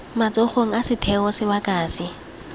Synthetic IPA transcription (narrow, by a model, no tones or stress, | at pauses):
mat͡sʼɔχoŋ̩asɪtʰɛɔsɪbakʼaːsɪ